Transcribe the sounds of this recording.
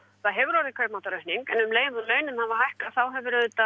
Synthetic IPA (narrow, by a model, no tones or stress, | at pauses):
θaðɦɛvʏɾoːɾɪkʰœɥpmawt̪aɾœɥht̪niŋkɛnʏmleːjmʏlœːɥnɪmhavaɦajhkaθawɦɛvʏɾt̪a